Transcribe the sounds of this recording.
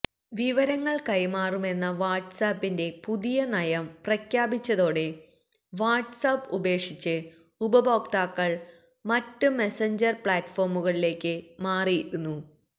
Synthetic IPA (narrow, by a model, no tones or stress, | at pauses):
ʋiʋɐɾɐŋːɐɭkɐjmaːrume̞nːɐʋaːʈsaːpːinde̞puðijɐnɐjɐmprɐkjaːbit͡ɕːɐðo̞ːɽe̞ | ʋaːʈsapːube̞ːkʂit͡ɕːɨ | ubɐbo̞ːkt̪aːkːɐɭ | mɐtːɨme̞seɲd͡ʑɐrpɭaːtfo̞ːrmuɣɐɭile̞ːkʲːɨmaːrijiɾunːu